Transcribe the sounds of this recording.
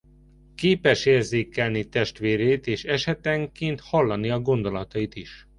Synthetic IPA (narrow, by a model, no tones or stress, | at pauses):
keːpɛʃeːrzeːkːɛlnit̪ɛʃt̪ʋeːɾeːt̪eːʃɛʃɛt̪ɛŋkeːnt̪hɒlːɒniɒɡo̞nd̪o̞lɒt̪ɒjit̪iʃ